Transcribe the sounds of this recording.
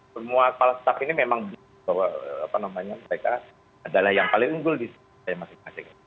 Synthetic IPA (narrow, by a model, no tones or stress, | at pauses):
səmuakəpalasə̥t̪apinimemaŋb | bawaa̰panamaɲaməɾeka | adalahjaŋpalɪŋuŋɡʊlbis | ajamasɪasɛka